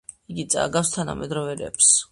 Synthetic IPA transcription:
iɡit̪sʼa̰ɡafst̪ʰana̰mʔɛd̪ɾɔvɛɾɛ̰ps

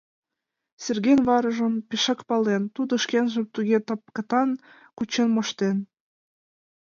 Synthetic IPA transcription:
serɣenβɑɾə̆ʒonpeʃɑ̆kpɑlent̪ud̪ŏʃkenʒə̆mt̪uɣet̪ɑp̚kə̆t̪ɑn | kut͡ɕenmoʃt̪en

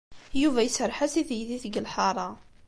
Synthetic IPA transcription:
juvæjəsəɾˤħasiθjðiθəɡəlħɑɾˤɑ

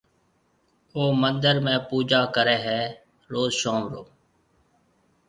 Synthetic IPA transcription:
oːmənd̪əɾmẽːpuːd͡ʒaːkəɾɛːɦɛː | ɾoːzʃoːmɾoː

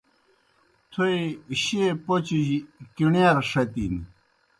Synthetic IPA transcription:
t̪ʰoiɕepot͡ɕid͡ʑikiɳjaɾʂɐt̪ini

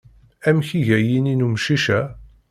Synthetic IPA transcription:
æmçiʝæjininumʃiʃæ

